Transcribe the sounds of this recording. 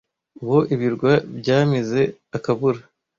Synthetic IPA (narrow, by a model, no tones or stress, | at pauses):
uβo̞ʔiβiɾɡwabɟaːmize̞akaβuɾa